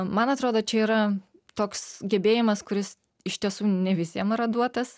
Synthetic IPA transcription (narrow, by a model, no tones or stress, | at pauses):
mɐnɐt̪ɾoːd̪oːt͡ʃʲɛiːɾɐ | t̪oːksɡʲɛbʲeːjɪmɐskʊɾʲɪs | ɪʃt̪ʲiɛsuːnʲɛʋʲɪsʲiɛmɪɾɐd̪uɔt̪ɐs